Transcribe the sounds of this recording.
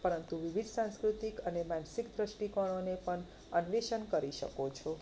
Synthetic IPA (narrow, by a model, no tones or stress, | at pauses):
pəɾənt̪uʋɪʋid̪ʱsãnskɾut̪ikənemansikd̪ɾəʃʈikəɽ̃onepəɳ | ənʋeʃənkəɾiʃə̰kot͡ʃʰo